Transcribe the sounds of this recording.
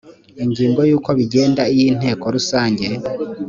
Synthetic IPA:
iɲɟiːŋɡo̞juːko̞βiɟe̞ːndaijiːn̥he̞ːko̞ɾusaːɲɟe̞

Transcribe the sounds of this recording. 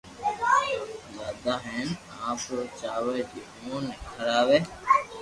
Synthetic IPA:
zaːd̪aːɦeːn | ãːpɾot͡ʃaːʋed͡ʒiː | ũːneːkʰəɾaːʋeː

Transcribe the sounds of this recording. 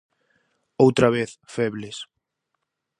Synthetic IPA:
owt̪ɾaβeθfɛβles

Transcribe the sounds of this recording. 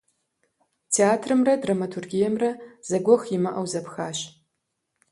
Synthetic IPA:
tʰeaːtʰrɨmrɐdrɐmɐtʰurɡʲijɛmrɐz̥ɐɡʷɔxjɪmɐʔɐwzɐpxaːɕ

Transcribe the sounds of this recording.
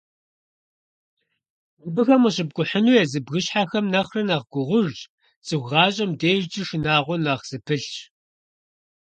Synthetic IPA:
zɨbɨxɐməɕɪb̚ɡʷʼʊħənuːjɛzɨbɣɨɕħaxɐmnɐχrɐnaːʁɡʷʊʁʷʊʒt͡ʃʼ | t͡sʼɨɣʷʁɑːɕʼɐmdeːʒt͡ʃʼɪʂɨnaːʁʷɔnaʁz̥ɨpʰɨɬt͡ʃ

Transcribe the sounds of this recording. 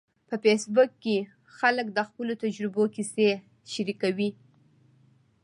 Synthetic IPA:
pəfesbukːe | xalək̚d̪əxpəlot̪ad͡ʒɾɪbokise | ʃaɾikawi

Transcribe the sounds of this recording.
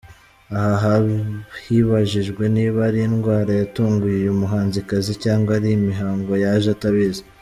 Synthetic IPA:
ahaɦahiːβaʒiʒɡwe̞niːβaɾijinɡwaːɾajatuːŋɡujujumuɦaːnzikazicaːŋɡwaɾijimiɦaːŋɡo̞jaʒataβeza

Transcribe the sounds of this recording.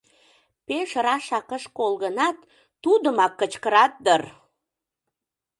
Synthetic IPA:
peʃrɑʃɑkəʃkolɣənɑt̪ː | ud̪əmɑkːət͡ɕkəɾɑt̪̚d̪ər

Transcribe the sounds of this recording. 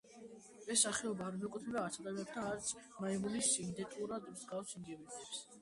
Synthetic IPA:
ɛsːaχɛɔbaːɾmɛkʼut̪ʰɛbaːɾt̪sʰad̪amiɛɾt̪ʰanaɾt̪sʰmaɛmulisind̪ɛt̪ʼuɾad̪mzɡafsind̪iɾisɛps

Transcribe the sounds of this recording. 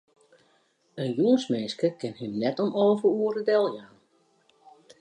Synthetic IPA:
ənjuənsmeːnskəkɪnɦɪmnɛtɔmoːvəuəɾədɛlˠjaːn

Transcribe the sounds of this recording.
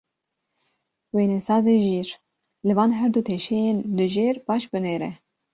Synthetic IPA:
weːnɛsɑːzeːʒiːɾ | lɨvɑːnɦɛɾd̪uːt̪ʰeːʃɛjenlɨʒeːɾbɑːʃbɨneːɾɛ

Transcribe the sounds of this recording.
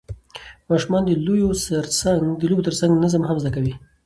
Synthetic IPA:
mɑʃumɑnd̪əlojosəɾsaŋɡd̪əlobot̪əɾt͡saŋɡnazəmɦamzd̪akawi

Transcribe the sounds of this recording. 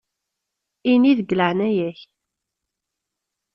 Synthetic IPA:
iniðəɡːələʕnæjæç

